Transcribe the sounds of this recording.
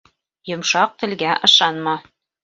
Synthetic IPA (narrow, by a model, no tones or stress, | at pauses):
jŏmʃɑq̚t̪ɘ̆lɡæʔɤ̆ʃɑnmɑ